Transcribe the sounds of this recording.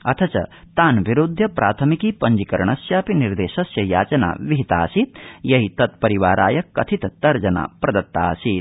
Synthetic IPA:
ɐt̪ʰɐt͡ʃɐ̰ | t̪aːnʋiɾud̪ʱːjɐpɾaːt̪ʰɐmikiːpɐɲd͡ʒikɐɾɐɳɐsjaːpiniɾd̪eːʃɐsjɐjaːt͡ʃɐna̰ːʋiɦit̪a̰ːsit̪̚jɐɦit̪ɐt̪̚pɐɾiʋaːɾʔaːjɐkːɐt̪ʰit̪ɐt̪ɐɾd͡ʒɐna̰ːpɾɐd̪ɐt̪ːa̰ːsit̪

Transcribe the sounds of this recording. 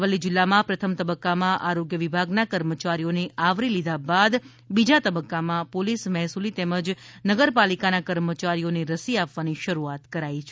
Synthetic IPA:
ʋəlid͡ʒɪlːamãpɾət̪ʰəmt̪əbəkːamãʔaɾoɡjəʋibʱaɡnakəɾmət͡ʃaɾijoneaʋɾilid̪ʱabad̪ | bid͡ʒat̪əbəkːamãpolismɛɦsulit̪ɛməd͡ʒnəɡəɾpalikanakəɾmət͡ʃaɾijoneɾəsiapʋaniʃəɾuat̪kəɾait͡ʃʰe

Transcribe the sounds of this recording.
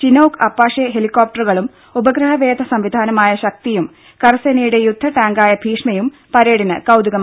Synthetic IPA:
t͡ɕinoːkɐpːaːʂeɦelikːoːp̚ʈɐrɣɐɭum | ubɐɡɾɐɦɐʋe̞ːd̪ʱɐsɐmʋid̪ʱaːnɐmaːjɐɕɐk̚t̪ijum | kɐrɐsenɐjuɽe̞jud̪ʱːɐʈaːŋɡaːjɐbʱiːʂmɐjum | pɐɾeːɽinɐkɐwd̪uɣɐm

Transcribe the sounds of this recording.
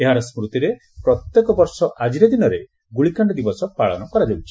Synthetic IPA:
eɦaɾɔsmɾut̪iɾe | pɾɔt̪jekɔbɔɾsɔʔad͡ʒiɾed̪inɔɾe | ɡuɭikaɳɖɔd̪ibɔsɔpaɭɔ̰nɔkɔɾad͡ʒawt͡ʃʰi̥

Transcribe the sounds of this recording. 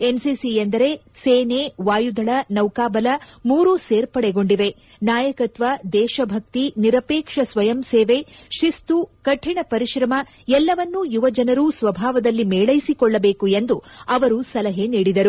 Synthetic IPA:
e̞nsiːsiend̪ɐɾe̞seːneʋaːjud̪ʱɐɭɐnɐwkaːbɐlɐmuːɾuseːɾpɐɽɛɡo̞ɳɖiʋe̞ | naːjɐkɐt̪ʋɐd̪ɛːʃɐbʱɐk̚t̪iniɾɐpeːkʂɐsʋɐjɐmseːʋe̞ʃist̪ukɐʈʰːiɳɐpɐɾiʃɾɐmɐ | ɛlːɐʋɐnːujuʋɐd͡ʒɐnɐɾusʋɐbʱaːʋɐd̪ɐlːimeːɭɐjisikɔɭːɐbeːkue̞nd̪uɐʋɐɾusɐlɐɦe̞niːɽid̪ɐɾu

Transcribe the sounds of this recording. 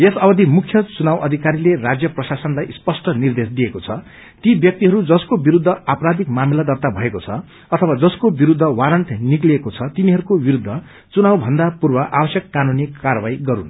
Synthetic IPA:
esʌbʌd̪ʱimukʰjʌt͡sunawʌd̪ʱikaɾilerad͡zjʌprʌsasʌnlajspʌsʈʌnird̪esd̪ijekot͡sʰʌ | t̪ibjʌk̚t̪iɦʌɾud͡zʌskobiɾud̪ʱːʌapɾad̪ikmamilad̪ʌrt̪abʱʌekot͡sʰʌ | ʌt̪ʰʌwad͡zʌskobiɾud̪ʱːʌwaɾʌɳʈnikliekot͡sʰʌt̪iniɦʌɾukobiɾud̪ʱːʌ | t͡sunawbʱʌnd̪apurbʌʔabʌsjʌkːanunikarʌbajɡʌɾṵn

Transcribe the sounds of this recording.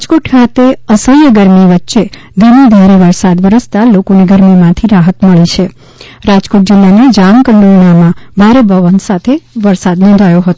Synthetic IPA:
d͡ʒkoʈkʰat̪eəsəjjəɡəɾmiʋətːʃe | d̪ʱənid̪ʱaɾeʋəɾsad̪ʋəɾəst̪alokoneɡəɾmimãt̪ʰiɾaɦət̪məɭit͡ʃʰe | ɾad͡ʒkoʈ̚d͡ʒɪlːaned͡ʒamkəɳɖoɾɳamãbʱaɾebʱəʋənsat̪ʰeʋəɾsad̪nɔ̃nd̪ʱajoɦət̪o

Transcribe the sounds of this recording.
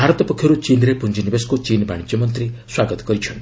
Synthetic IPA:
bʱaɾɔt̪ɔpɔkʰjɔɾut͡ʃinɾepund͡ʒinibeskut͡ʃinbaɽit͡ʃjɔmɔnt̪ɾiswaɡɔt̪ɔ̥kɔɾit͡ʃʰɔnt̪i

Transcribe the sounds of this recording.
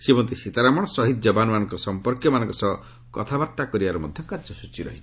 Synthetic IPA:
sibɔnt̪isit̪aɾamɔɽ̃ɔsɔɦit̪̚d͡ʒɔbanɔmanɔŋkɔɾɔsɔmpɔɾkjɔmanɔ̃ŋkɔsɔɦɔ | kɔ̰t̪ʰabaɾt̪akɔɾibaɾɔmɔd̪ʱjɔŋkaɾd͡ʒɔsut͡ʃiɾɔ̰ɦit͡ʃʰi̥

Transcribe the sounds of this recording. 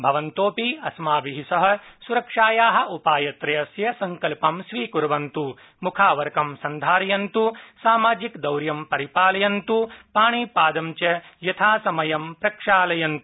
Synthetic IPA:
bʱɐʋɐnt̪oːpiɐsmaːbiɦisɐɦɐ̆suɾɐkʂaːjaːɦɐ̆ʔupaːjɐt̪ɾɐjɐsjɐsɐŋkɐlpɐmʃʋiːkuɾʋɐnt̪u | mukʰaːʋɐɾkɐmsɐnd̪ʱaːɾɐjɐnt̪usaːmaːd͡ʒikd̪ɐwɾjɐmpɐɾipaːlɐjɐnt̪upaːɳiːpaːd̪ɐmt͡ʃɐjɐt̪ʰaːsɐmɐjɐmpɾɐkʂaːlɐjɐnt̪u

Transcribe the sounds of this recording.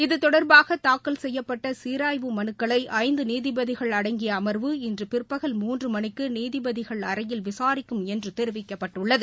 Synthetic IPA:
ɪðɯt̪ɔɽɐɾbaːɣɐt̪aːkːɐlsɛjːɐpːɐʈːɐsiːɾaːjʋɯmɐnɯkːɐɭɐɪʔɐɪnd̪ɯniːðɪbɐðɪɣɐɭɐɽɐŋɡɪjɐːmɐɾʋɯɪndrɯpɪrpːɐɣɐlmuːndrɯmɐnɪkːɯniːðɪbɐðɪɣɐɭɐɾɐjɪlʋɪsaːɾɪkːɯmɛndrɯt̪ɛɾɯʋɪkːɐpːɐʈːɯɭːɐðɯ

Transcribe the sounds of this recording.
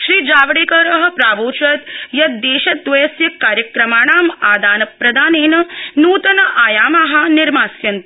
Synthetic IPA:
ʃɾiːd͡ʒaːʋɐɽeːkɐɾɐɦɐ̆pɾaːʋoːt͡ʃɐt̪jɐd̪eːʃɐt̪̚ːʋɐjɐsjɐkːaːɾjɐkɾɐmaːɳaːmaːd̪aːnɐpɾɐd̪aːneːnɐnuːt̪ɐnɐʔaːjaːmaːɦɐ̆nɪɾmaːsjɐnt̪

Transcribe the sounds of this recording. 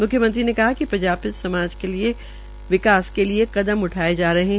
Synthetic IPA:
mʊkʰjəmə̃nt̪ɾinekɐɦakipɾɐ̃ɲd͡ʒaːb̚pɪsɐmaːd͡ʒkelie | ʋɪkaːskelieqɐd̪əmʊʈʰaːed͡ʒaːɾɐɦẽ

